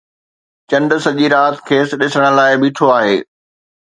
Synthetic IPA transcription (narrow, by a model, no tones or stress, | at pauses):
t͡ɕɐ̃nɖsɐʄiɾaːt̪kʰeːsɗɪsəɽ̃ə̆laːɪbiːʈʰoaːɦeː